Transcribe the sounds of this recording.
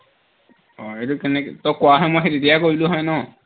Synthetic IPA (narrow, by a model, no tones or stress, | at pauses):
ɔetukɛnɛkɛ̰tɔkːʊaɦɔjmɔjxetetijakoɹilʊ̃ɦɔjnɔ